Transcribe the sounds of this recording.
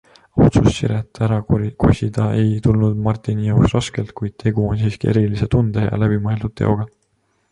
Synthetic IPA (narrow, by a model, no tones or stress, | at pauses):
ɑwt̪sussiɾet̪ːˑæɾɑko̞̰sʲid̪̥ɑe̞jt̪ulnud̪mɑrt̪ˑinijɑwksrɑske̞lt̪̚kujd̪̥̚t̪ʰe̞ɡ̥uonsiːskie̞̰ɾilise̞t̪und̪̥ejɑ̰læb̥imɤe̞ld̪ud̪t̪ːḛo̞ɡ̥ɑ